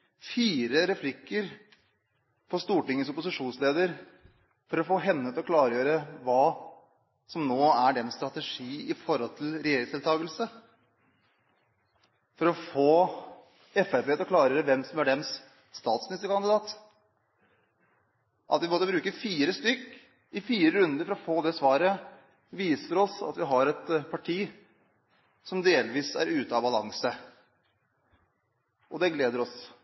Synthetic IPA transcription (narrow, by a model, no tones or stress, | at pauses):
fiːɾəɾɛflɪkːəɾ | pʰɔst̪uːʈɪŋːəsʊpʊsɪʂuːnsleːd̪əɾ | fɔɾɔfoːɦɛnːət̪ɔkʰlɑːɾəjøːɾəʋɑː | sɔmnoːæɖɛmst̪ɾɑt̪ɛʂiːɪfɔɾhɔlt̪ʰɪlɾɛjeːɾɪŋsd̪ɪɛlt̪ʰɑːɡəlsə | fɔɾɔfoː | ɛfæpeːt̪ɔkʰlɑːɾəjøːɾəʋɛmsɔmæɖɛms | st̪ɑːt̪smnɪst̪əɾkʰɑnd̪ɪd̪ɑːt̪ | ʔɑt̪ʋɪmɔt̪ːəbɾʉːkəfiːɾəst̪ʏkː | ɪfiːɾəɾʉnd̪əɾfɔɾɔfoːd̪ɛsʋɑːɾə | ʋiːsəɾɔsɑ̰t̪ʋɪɦɑɾɛt̪pʰɑʈʰiː | sɔmd̪eːlʋiːsæ̰ɾʉːt̪əɑbɑlɑ̰ŋsə | ʔɔd̪ɛɡleːd̪əɾɔs